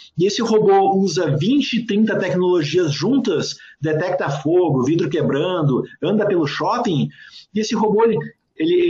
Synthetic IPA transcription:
ɪesɪhobouzɐvĩnt͡ʃɪːt̪ɾĩnt̪ɐt̪ɛknoloʒiɐzʒũnt̪ɐsd̪et̪ɛk̚t̪ɐfoɡʊvid̪ɾʊkebɾɐ̃nd̪ʊɐ̃nd̪ɐpelʊʃɔpĩj̃ɪesɪɦoboelɪ | elɪ

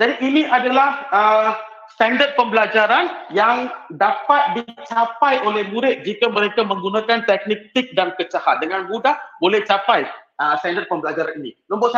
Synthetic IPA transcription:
d͡ʒadiʔːniʔadalahə | st̪andər̚pəmbəlad͡ʒaɾanjaŋdapat̪̚dit͡ʃapajʔolɛhmuɾɪt̪̚d͡ʒikamə̃ɾekamə̃ŋɡunãkant̪ɛk̚nik̚t̪ik̚dankət͡ʃahat̪̚dəŋanbudahbolɛht͡ʃapajəst̪andər̚pəmbəlad͡ʒaɾaninḭ̃mə̃mbɔt̪s

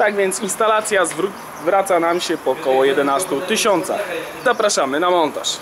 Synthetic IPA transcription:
t̪aɡvʲjɛnt̪sinst̪alat̪sʲjazvɾu | vɾat̪sanamɕɛpɔkɔwɔjɛd̪ɛnast̪ut̪ɘɕɔnt̪sa̰x | zapɾaʂamɘnamɔnt̪a̰ʂ

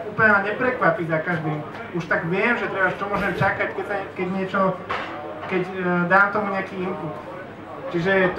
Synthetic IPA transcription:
uːplɲɛmaɲɛpɾɛkʋapizakaʒd̪iːm | uʃt̪aɡʋɪɛmʒɛt̪ɾɛbaʃt͡ʃɔmɔʒɛmt͡ʃakackɛsakɛɟɲɪɛt͡ʃɔ | kɛcd̪aːmt̪ɔmuɲɛakiːimput̪ | t͡ʃiʒɛt̪

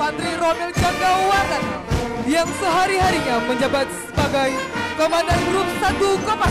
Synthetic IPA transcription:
pant̪ɾiɾonɛld͡ʒaŋɡawat̪andiaŋsəɦaɾiɦaɾiɲaməɲd͡ʒabat̪̚səbaɡajkomandanruksat̪ukɔma

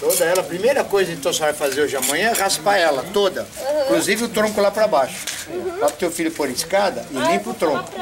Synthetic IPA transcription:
t̪od̪ɐɛlɐpɾimejɾɐkojzɐẽnt̪ɐ̃w̃sɔvajfazeɾoʒɪɐmɐ̃ɲ̃ɐ̃ɛʁaspaɛlɐt̪od̪ɐĩkluzivɪʊt̪ɾõkʊlapɾɐbaʃʊ̥ | aʊ̥t̪ewfiʎʊpoɾiskad̪ɐʔɪlĩpɾʊt̪ɾõkʊ̥

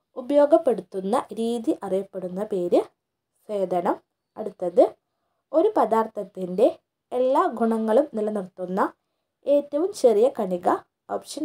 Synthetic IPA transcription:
ubɐjo̞ːɡɐpːe̞ɽut̪ːunːɐɾiːðiʔɐrijɐpːe̞ɽunːɐpe̞ːɾɨ | se̞ːd̪ʱɐɳɐm | ɐɽut̪ːɐðɨ | o̞ɾupɐd̪aːrt̪ʰɐt̪ːinde̞ | elːaːɡʱuɳɐŋːɐɭumnilɐnirt̪ːunːɐ | e̞ːtːɐʋumt͡ɕe̞rijɐkɐɳiɣɐ | oːpʂɐn

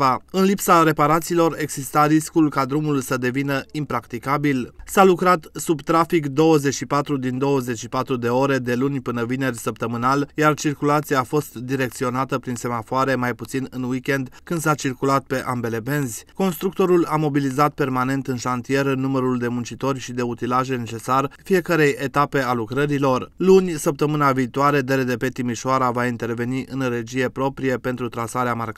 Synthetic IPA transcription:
ɨnlipsaɾe̞paɾat̪siːlo̞re̞ɡz̥ist̪aɾiskulkad̪ɾumulsəd̪e̞vinəimpɾakt̪ikabilsalukɾat̪subt̪ɾafikd̪o̞wəze̞t͡ʃʃipat̪ɾud̪ind̪o̞wəze̞t͡ʃʃipat̪ɾud̪e̞o̞ɾe̞d̪e̞lunʲpɨnəvine̞rʲsəp̚t̪əmɨnaljart͡ʃirkulat̪siaːfo̞st̪d̪iɾe̞kt̪sio̞nat̪əpɾinse̞mafoaɾe̞majput̪sinɨnwikʲe̞nd̪kɨnd̪sat͡ʃirkulat̪̚pe̞ʔambe̞le̞be̞nzʲko̞nst̪ɾuk̚t̪o̞ɾulamo̞bilizat̪̚pe̞rmane̞nt̪ɨnʃant̪ije̞ɾənuməɾuld̪e̞munt͡ʃit̪o̞rʲʃid̪e̞ut̪ilaʒe̞ne̞t͡ʃe̞sarfije̞kəɾe̞je̞t̪ape̞alukɾəɾilo̞rlunʲsəp̚t̪əmɨnaviːt̪oaɾe̞d̪e̞ɾed̪e̞pe̞t̪imiʃoaɾavaint̪e̞rve̞niʔɨnre̞d͡ʒije̞pɾo̞pɾije̞pe̞nt̪ɾut̪ɾasaɾeamark

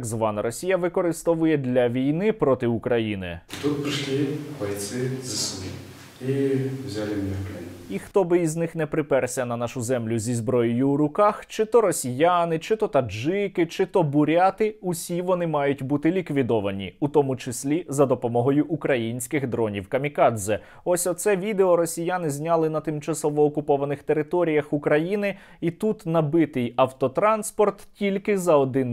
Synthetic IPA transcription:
ɡzʋɑnɐɾɔsʲijɐʋɪkɔɾɪst̪ɔʋʊjɛd̪ʲlʲɐʋʲijnɪpɾɔt̪ɪʊkɾɐjinɪ̰id̪ut̪̚pɾɪʃlʲibɐjt̪sɪzɐsmḭ | iwzʲalʲɪmnʲɛkɛ̰nʲixt̪ɔbɪiznɪxnɛpɾɪpɛrsʲɐnɐnɑʃʊzɛmlʲʊzʲizbɾɔjɪjʊːɾʊkɑxt͡ʃɪt̪ɔɾɔsʲijanɪt͡ʃɪt̪ɔt̪ɐʒɪkɪt͡ʃɪt̪ɔbʊɾʲat̪ɪusʲiʋɔnɪmɑjʊtʲbut̪ɪlʲikʋʲid̪ɔʋɐnʲḭut̪ɔmʊt͡ʃɪsʲlʲizɐd̪ɔpɔmɔɦɔjʊʔukɾɐjinʲsʲkɪɣd̪ɾɔnʲḭwkɐmʲikɑd̪zɛ | ɔsʲɔt̪sɛʋʲid̪eɔɾɔsʲijanɪzʲnʲɑlˠɪnɐt̪ɪmt͡ʃɐsɔʋɔːkʊpɔʋɐnɪxt̪eɾɪt̪ɔɾʲijɐxʊkɾɐjinɪ | it̪ut̪nɐbɪt̪ɪjɐwt̪ɔt̪ɾɑnspɔrt̪tʲilʲkɪzɐɔd̪ɪn

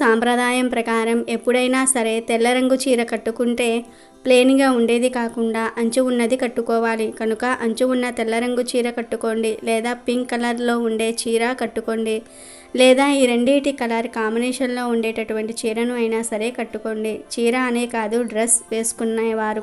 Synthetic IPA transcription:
saːmpɾɐd̪ʱaːjɐmpɾɐkaːɾɐme̞pːuɽɐjnaːsɐɾe̞ːt̪ɛlːɐɾɐŋɡut͡ʃiːɾɐkɐʈːukuɳʈe̞ː | ple̞ːniɡaːuɳɖe̞ːd̪ikaːkuɳɖaːʔɐɲt͡ʃuunːɐd̪ikɐʈːukɔːʋaːlikɐnukɐʔɐɲt͡ʃuunːɐt̪ɛlːɐɾɐŋɡut͡ʃiːɾɐkɐʈːuko̞ɳɖilɛːd̪aːpiŋkkːɐlɐɾlo̞ːuɳɖe̞ːt͡ʃiːɾaːkɐʈːuko̞ɳɖi | lɛːd̪aːiːɾe̞ɳɖeːʈikɐlɐɾkaːmbinɛːʂɐnlo̞ːuɳɖeːʈɐʈuʋɐɳʈit͡ʃiːɾɐnuɐjnaːsɐɾe̞ːkɐʈːuko̞ɳɖit͡ʃiːɾaːɐne̞ːkaːd̪uɖɾesʋe̞ːsu̥kunːaːjɐʋaːɾu

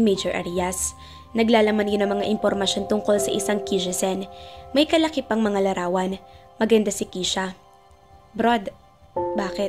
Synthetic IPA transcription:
mejd͡ʒɛɹʔɛ̰ɾijɐs | nɐɡlaːlɐmanjonɐŋmɐŋaʔɪmpoɾmɐʃo̞nt̪ʊŋko̞lsɐʔɪsaŋkid͡ʒɛsɛnmɐjkɐlɐkɪpɐŋmɐŋalɐɾaːwɐn | mɐɡɐnd̪asɪkiːʃɐ | bɾod̪ | baːkɛt̪

